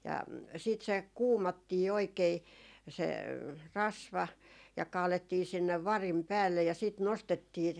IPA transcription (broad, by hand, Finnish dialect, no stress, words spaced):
jɑ siːt se kuːmɑtːiː oikei se rɑsʋɑ jɑ kɑːletːiː sinːeʋ ʋɑrim pæːlːej jɑ siˑt nostetːiː